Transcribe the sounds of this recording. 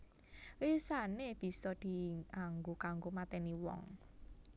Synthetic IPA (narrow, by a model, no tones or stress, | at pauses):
wisaneb̥i̤sɔd̪̥i̤ʔaŋɡokaŋɡomat̪ɛniwɔ̰ŋ